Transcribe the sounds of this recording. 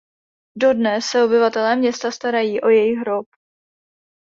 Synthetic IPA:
do̞dnɛsːɛo̞bɪvat̪ɛlɛːmɲɛst̪ast̪aɾajiːʔo̞jɛjɪɦɾop

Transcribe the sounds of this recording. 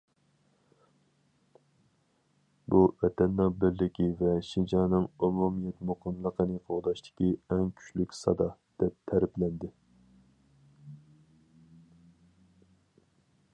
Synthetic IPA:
buvɛt̪ɛnːɑŋbɪɾlɪkʲʰivɛʃind͡ʒɑnɨŋomumijɛt̪moqʰəmlˠəqʰənɨqʰoʁd̪ɑʃt̪ʰɪ̥kʲiɛŋkʲʰy̥t͡ʃlykʲsɑ̰d̪ɑd̪̥ɛp̚t̪ʰæɾplɛnd̪ɪ

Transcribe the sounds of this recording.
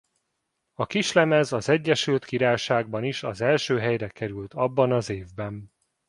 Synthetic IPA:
ɒkiʃlɛmɛzɒzɛɟːɛʃylt̪kiɾaːjʃaːɡ̚bɒniʃɒzɛlʃøːɦɛjɾɛkɛɾylt̪ɒbːɒnɒzeːvbɛn

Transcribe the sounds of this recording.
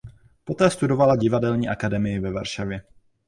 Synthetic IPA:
po̞t̪ɛːst̪udo̞valaɟɪvadɛlɲiːʔakadɛmɪjɪvɛva̰ɾʃavjɛ

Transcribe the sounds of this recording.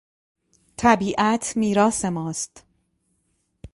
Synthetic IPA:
t̪ʰæbiːʔæt̪ʰmiːɾɒːse̞mɒːst̪

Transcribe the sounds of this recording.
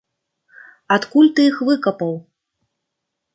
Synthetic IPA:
at̪kulʲt̪ɨjixvɨkɐpɐw

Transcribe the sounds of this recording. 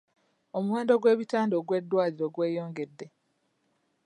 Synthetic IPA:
o̞muwe̞ːndo̞ɡwe̞ːβitaːndoːɡwe̞dːwaːliɾo̞ːɡwe̞ːjo̞ːŋɡe̞dːe̞

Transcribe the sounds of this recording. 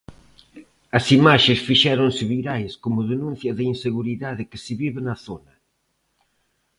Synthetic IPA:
ɐsimaʃesfiʃɛɾonsɪβiɾajskomʊðenũnθjɐðɪinseɣuɾiðaðɪkɪsɪβiβɪnɐθonɐ

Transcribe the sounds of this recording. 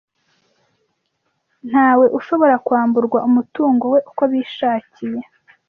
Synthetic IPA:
n̥haːwe̞ʔuʃo̞βo̞ɾakwaːmbuɾɡwaʔumutuːŋɡo̞we̞ʔukoβiːʃaːcije

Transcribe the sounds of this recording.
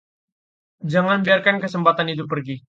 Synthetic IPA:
d͡ʒaŋanbiarkankəsəmpat̪anit̪̬upərɡi

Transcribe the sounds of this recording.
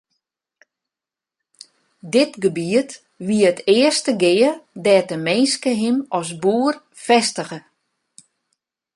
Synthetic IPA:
dɪtɡəbiət | ʋiəətɪːərstəɡɪːədɛːtəmɪnskəɦɪmɔsbuːər | fɛstəɣə

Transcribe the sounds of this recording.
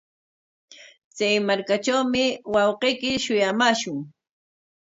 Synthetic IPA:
t͡sajmaɾkaʈ͡ʂawmɪwɑwqejkɪʃʊjamaːʃʊŋ

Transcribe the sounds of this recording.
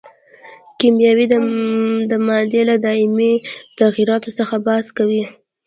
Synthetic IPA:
kimjɑwid̪əd̪əmɑd̪elad̪ɑɪmit̪aɣiɾɑt̪osəxabɑskawi

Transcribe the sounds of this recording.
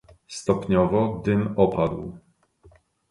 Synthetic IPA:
st̪ɔpɲɔvɔɡd̪ɘmɔpad̪w

